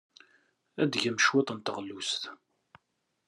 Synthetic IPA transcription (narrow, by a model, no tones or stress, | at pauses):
æd̪ʝæmʃwet̪ˤənt̪əʁlːust̪